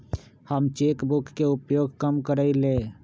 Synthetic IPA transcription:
həmt͡ʃeːkbʊkːeʊpjoːɡkəmkəɾəileː

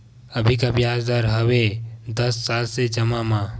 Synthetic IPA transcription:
əbʱikabjaːsd̪aɾɦəwed̪əsːaːlsed͡ʒɐmamã

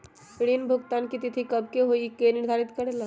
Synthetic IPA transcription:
pɪɽinbʱʊɡt̪aːnkit̪ɪt̪ʰikɐbʱkeɦoːikenɪɾd̪ʱaːɾɪt̪kəɾeːla

